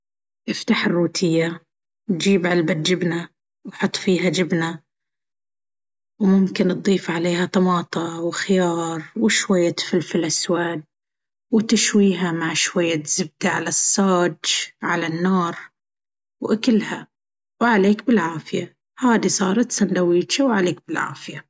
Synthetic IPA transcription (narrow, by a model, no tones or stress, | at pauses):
ʔɪft̪aħɪrːuːt̪ʰɪjːa | wd͡ʒiːbʕalbat̪̚d͡ʒɪbna | wħʊt̪ˤːfiːɦad͡ʒɪbna | wmʊmkɪnʔd̪ˤiːfʕaleːɦat̪ˤɑmɑːt̪ˤɑwɪxɪjɑːɾˤwɪʃwajːat̪fɪlfɪlʔaswaːd̪̚ | wt̪ɪʃwiːɦamaʕʃwajːat̪z̥ɪb̚d̪aʕalasˤːaːd͡ʒʕalanːɑːɾˤ | wʔakɪlːha | wʕaleːkbɪlʕaːfɪja | haːd̪isˤɑːɾˤɑt̪sand̪awiːt͡ʃawʕaleːkbɪlʕa̰ːfɪja